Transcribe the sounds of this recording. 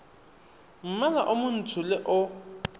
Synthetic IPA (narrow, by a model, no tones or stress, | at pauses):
m̩malaʔʊmʊn̩tʰʊlɪʔʊ